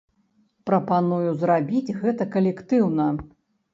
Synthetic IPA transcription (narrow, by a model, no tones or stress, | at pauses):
pɾɐpanujuzrabʲid͡zʲɣɛt̪ɐkɐlʲɛkt̪ɨwnɐ